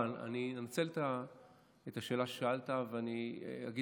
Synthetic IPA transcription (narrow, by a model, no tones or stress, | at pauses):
na̰ninemat͡seleta | et̪aʃeːlaʃeʃaaltaveania̰ɡi